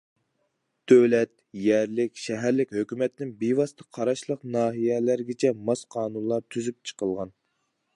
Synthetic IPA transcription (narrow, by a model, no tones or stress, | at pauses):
d̪̥øwlɛt̪̚ | jɛɾlɪkʲʃɛɦæɾlɪkʲhøkʲymɛt̪ɪnɪŋbejwɑst̪ʰəqʰɑɾɑʃlˠəqnɑːɦijɛlæɾɡʲet͡ʃʰɛmɑsqʰɑːnunlˠɑɾt̪ʰyzyp̚t͡ʃʰə̥qəlˠʁɑn